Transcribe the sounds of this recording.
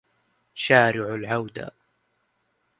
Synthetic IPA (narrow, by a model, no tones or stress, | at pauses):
ʃaːɾɪʕʊlʕawd̪a̰